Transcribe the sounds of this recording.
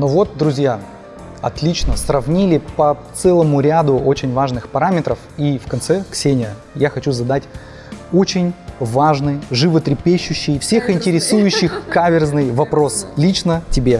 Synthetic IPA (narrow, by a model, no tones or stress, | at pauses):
novo̞t̪̚d̪ɾʊzʲja | ɐ̰t̪lʲit͡ɕnəsrɐvnʲilʲɪpɐt̪sɛlˠəmʊɾʲad̪ʊo̞t͡ɕɪnʲvaʐnɨxpɐɾamʲɪt̪ɾəfifkɐnt̪sɛksʲenʲɪə | jaxɐt͡ɕuzɐd̪atʲ | o̞t͡ɕɪnʲvaʐnɨjʐɨvət̪ɾʲɪpʲeɕːʉɕːɪjfsʲe̞xɪnʲtʲɪɾʲɪsujʉɕːɪxkavʲɪrznɨjvɐpɾo̞slʲit͡ɕnətʲɪbʲe̞